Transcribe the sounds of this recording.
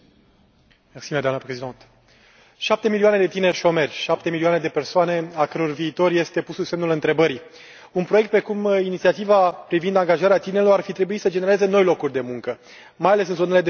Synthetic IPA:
meksimed̪oanəpɾezid̪ont̪ | ʃap̚t̪e̞miliuane̞d̪e̞t̪ine̞rʲʃo̞me̞rʲʃap̚t̪e̞milioane̞d̪e̞pe̞rsoane̞akəɾo̞rviːt̪o̞rʲje̞st̪e̞pususe̞mnulɨnt̪ɾe̞bəɾi | unpɾo̞jekt̪̚pɾe̞kuminit̪siat̪ivapɾivind̪aŋɡaʒaɾeat̪ineɾeloarfit̪ɾe̞buit̪səd͡ʒeneɾeze̞no̞jlo̞kurʲd̪e̞muŋkə | majale̞sɨnzoneled̪e

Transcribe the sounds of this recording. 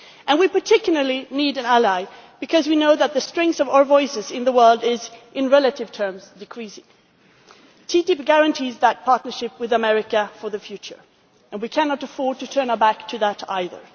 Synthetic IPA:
ʔɨ̃nwipə˞tʰɪkjl̩ˠə˞lˠiniɾɨ̃nælaɪb̥ɨkʰʌzwinoʊðət̪̚ðɨstɹ̥ɛ̃ŋkθʌvaə˞vɔɪsɨzɪ̃nðəwɜ˞lˠdɪzʔɪ̃nɹɛlˠəɾɨv̥tʰɜ̃˞mzdɨkʰɹ̥isɪ̃ŋ | tʰitɪp̚ɡ̥æɹɨ̃ntʰizðət̚pʰɑɹtⁿnə˞ʃɪp̚wɨðəmɛɹɨkɨfə˞ðɨfjʉt͡ʃə̰˞ | ɨ̃nwikʰænɑɾəfɔɹd̚tɨtʰɜ̃˞nbæktʰɨðəɾa̰ɪðə̰˞

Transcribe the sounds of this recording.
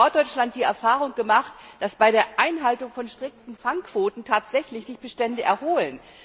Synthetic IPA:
ɔɐt̚d̥ɔʏt͡ʃlant̚d̥iːɛɐfaːʁ̞ʊŋɡəmaχtd̥asb̥aɪɾeːɐʔaɪnɦaltʊŋfɔnʃtʁ̥ɪk̚tn̩faŋkv̥oːtn̩tʰaːtz̥ɛçlɪçz̥ɪçb̥əʃtɛndəʔɛɐhoːlən

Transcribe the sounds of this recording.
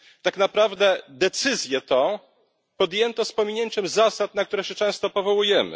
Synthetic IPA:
t̪aknapɾavd̪ɛd̪ɛt̪sɘzʲjɛt̪ɔ̃ | pɔd̪jɛnt̪ɔspɔmʲiɲɛɲt͡ʃɛmzasat̪nak̚t̪uɾɛɕɛt͡ʂɛ̃w̃st̪ɔpɔvɔwujɛmɘ̰

